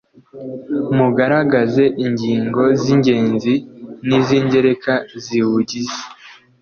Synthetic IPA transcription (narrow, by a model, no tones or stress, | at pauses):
muɡaɾaɡaze̞ʔiɲɟiːŋɡo̞ziɲɟe̞ːnziniziːɲɟe̞ɾe̞kaziwuɟize̥